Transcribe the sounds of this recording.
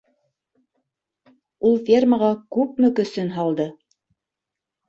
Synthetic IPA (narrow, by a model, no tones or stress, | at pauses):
ulˠfʲerməʁɑkʉp̚mɘ̆kɵ̆sɵnɦɑlˠd̪ɤ